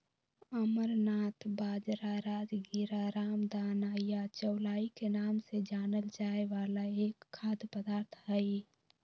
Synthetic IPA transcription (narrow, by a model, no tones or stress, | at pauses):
əməɾnaːt̪baːd͡ʒɾaɾaːd͡ʒɡiɾaɾaːmd̪aːnaːjjat͡ʃəwlaːikenaːmsed͡ʒaːnəld͡ʒaːeʋaːlaeːkʰːaːd̪pəd̪aːɾt̪ʰɦəi